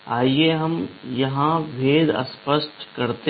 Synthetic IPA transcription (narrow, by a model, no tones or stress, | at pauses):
aːieɦɐmjɐɦãʋʱeːd̪ə̰spəʃʈkɐɾt̪e